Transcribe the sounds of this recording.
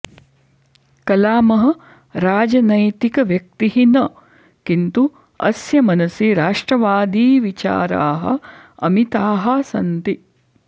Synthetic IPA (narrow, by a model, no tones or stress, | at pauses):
kɐlaːmɐɦɐ̆ | ɾaːd͡ʒɐnɐjt̪ikɐʋjɐk̚t̪iɦinɐ | kint̪u | ɐ̰sjɐmɐnɐsiɾaːʂʈɾɐʋaːd̪iːʋit͡ʃa̰ːɾa̰ːɦɐ̰ | ɐ̰mit̪aːɦɐsɐnt̪i